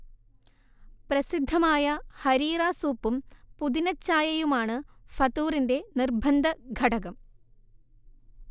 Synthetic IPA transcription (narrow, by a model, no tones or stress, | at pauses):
prɐsid̪ʱːɐmaːjɐhɐɾiːraːsuːpːumpuðinɐt͡ɕːaːjɐjumaːɳɨfɐt̪uːrinde̞nirbʱɐnd̪ʱɐɡʱɐɽɐɣɐm